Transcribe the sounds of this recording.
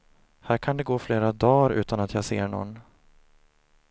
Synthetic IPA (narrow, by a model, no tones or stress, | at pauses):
hæːɾkʰand̪ɛɡoːfleːɾad̪ɑːɾʉ̟̰ːt̪anat̪ʰjaseːɳɔ̰nː